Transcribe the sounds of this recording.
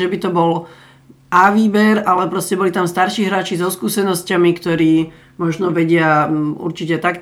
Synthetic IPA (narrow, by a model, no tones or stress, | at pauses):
ʒɛbit̪ɔbɔl | aʋiːbɛɾalɛpɾɔscɛbɔlit̪amst̪aɾʃiːɦɾaːt͡ʃizɔskuːsɛnɔscamikt̪ɔɾiː | mɔʒnɔʋɛɟɪaṵɾt͡ʃicɛt̪ak